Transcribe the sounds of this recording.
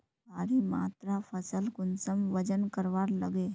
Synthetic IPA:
baːɾima̰ːt̪ɾapʰəsəlkʊnsəmʋəd͡ʒənkəɾʋaːɾləɡe

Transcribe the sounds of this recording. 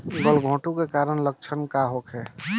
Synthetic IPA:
ɡəlɡʱõːʈukekaɾənlək̚t͡ʃʰənkaɦokʰɦɛ

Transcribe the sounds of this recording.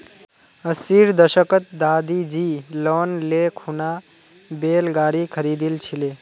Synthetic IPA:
əsiɾd̪əʃəkət̪̚d̪aːd̪id͡ʒilɔnlekʰuna | belɡaːɾikʰəɾid̪ilt͡ʃʰile

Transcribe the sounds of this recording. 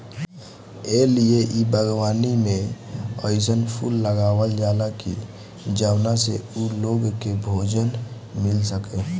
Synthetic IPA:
elieʔibəɡwaːnimẽəɪsənpʰṵlːəɡaːwəld͡ʒaːlaki | d͡ʒəwnaseuloɡkebʱoːd͡ʒən | mɪlsəke

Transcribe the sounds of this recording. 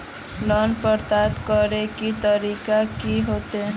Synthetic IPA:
lɔnpəɾt̪at̪kəɾekit̪əɾiːkakiɦot̪e

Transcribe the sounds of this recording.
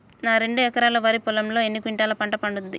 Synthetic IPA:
naːɾe̞ɳɖuɛkɐɾaːlɐʋɐɾipulɐmlo̞ːenːikiɳʈaːlɐpɐɳʈɐpɐɳɖund̪i

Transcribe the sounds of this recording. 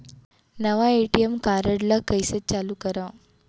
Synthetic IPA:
nəʋaeʈijemkaɾəɽlakəjsət̚t͡ɕalukəɾã

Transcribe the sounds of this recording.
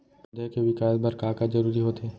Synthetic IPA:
pd̪ʱəkeʋɪkaːjəlbɐɾkaːkad͡ʒɐɾuːɾiɦoːt̪ʰeː

